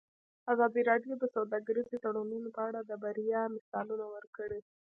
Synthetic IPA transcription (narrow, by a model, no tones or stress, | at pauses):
azɑd̪iɾɑɖijod̪əsawd̪ɑɡaɾizit̪aɽununopəaɽad̪əbaɾijɑmɪsɑlunawəɾkəɽe